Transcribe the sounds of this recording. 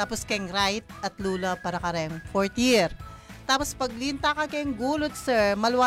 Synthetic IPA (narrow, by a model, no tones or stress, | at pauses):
t̪aːposkɐjŋɾajt̪̚ʔɐt̪̚luːlɐpaːɾɐkɐɾɛjɐŋfoɹt̪jɪɾt̪aːpospɐɡ̚lint̪akɐkɐjŋɡuːlot̪̚sɛɹmɐlwa